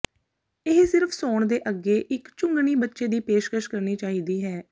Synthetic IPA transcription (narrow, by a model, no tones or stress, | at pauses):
ɪɦsɪɾpʰsoːɳd̪eːʔəɡːeːʔɪkt͡ʃʊ̃ŋɡɳiːbətːʃeːd̪iːpeːʃkəʃkəɾniːt͡ʃaːɦiːd̪iːɦɛː